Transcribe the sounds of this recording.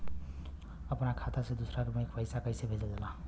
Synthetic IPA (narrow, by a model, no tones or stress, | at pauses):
əpnakʰat̪asẽd̪usɾakmeekpəjsakəjsebʱed͡ʒad͡zəlã